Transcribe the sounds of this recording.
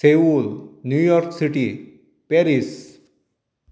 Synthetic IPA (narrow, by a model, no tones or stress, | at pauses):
seʋulnjujɔɾksiʈi | peɾis